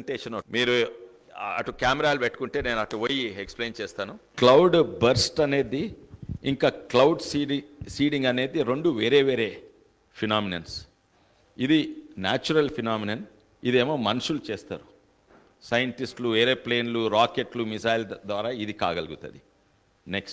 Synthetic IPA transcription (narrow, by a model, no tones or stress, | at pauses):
ʈeːʂɐnmiːɾu | ɐ̰ʈukaːmɛɾaːlubeʈːu̥kuɳʈe̞ːne̞ːnuɐʈuʋojiekspleːnt͡ʃɛːst̪aːnuklɐwɖbɐɾsʈɐne̞ːd̪iiŋkaːklɐwɖssiːɖiŋɡɐne̞ːd̪iɾoɳɖuʋeːɾe̞ːʋeːɾeː | pʰinaːminɐns | id̪inaːt͡ʃuɾɐlpʰinaːminɐn | id̪eːmoːmɐnuʃulut͡ʃeːst̪a̰ːɾu | sɐjɐɳʈisʈluʋeːɾeːple̞ːnluɾaːkeʈlumisaːjld̪ʋaːɾaːid̪ika̰ːɡɐlɡut̪ɐ̰d̪i | neksʈ